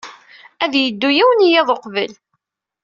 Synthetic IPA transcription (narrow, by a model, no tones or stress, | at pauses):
æðjəd̪ːujiwənijæðˤoqvəl